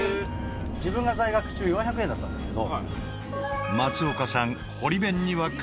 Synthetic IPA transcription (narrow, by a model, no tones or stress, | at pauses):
d͡ʑibɯ̟̃ŋɡazaiɡakɯ̟̥t͡ɕɨːjõçakɯẽ̞nd̪at̪ːã̰nd̪esked̪o | mat͡sɨo̞kasãŋ | ho̞ɾʲibẽ̞ɲ̟ːiβak